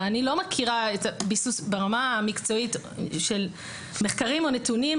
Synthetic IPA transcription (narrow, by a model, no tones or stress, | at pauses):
anilo̞makʰiʁaetabisusbeʁamamikt͡so̞it | ʃel | meχkaʁimo̞netuni